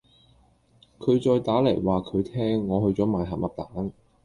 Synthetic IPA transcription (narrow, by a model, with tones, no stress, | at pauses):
kʰɵ˨˧ɥt͡sɔː˧jt̪aː˨˥le˨˩jwaː˨˩kʰɵ˨˧ɥt̪ʰɛː˥ŋːɔː˨˧hɵ˧ɥt͡sɔː˨˥maː˨jɦɐ˨˩mʔɐ˨˧p̚t̪aː˨˥n